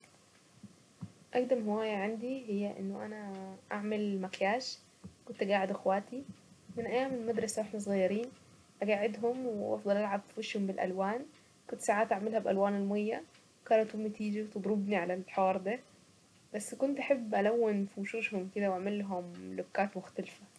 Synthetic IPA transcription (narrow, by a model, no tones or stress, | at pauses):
ʔæɡd̪æmhowæːjæʕand̪iɦejːæʔḛnːoʔæ̰næʔaʕmelmækjaːʃ | kont̪ʔæɡaːʕed̪ʔexwæːt̪imɪnʔæjːaːmelmæd̪ɾˤɑsawʔeħnæs̬ˤɣɑjːɑɾiːn | ʔæɡaːʕɪd̪ɦʊmwʔɑfd̪ˤɑlʔalʕabffeʃhombɪlʔæ̰lwaːn | kʊnt̪saʕaːt̪ʔaʕmɪlhæbʔælwaːnelmojːa | wkɑːnæt̪homːet̪iːd͡ʒiwt̪ɨd̪ˤɾobniʕalælħɑːɾˤd̪æ | bæsːkʊnt̪ʔaħebːʔælæwːɪnfiwʃuːʃhomked̪æwʔaʕmelːɦomlokːaːt̪mʊxt̪alfæ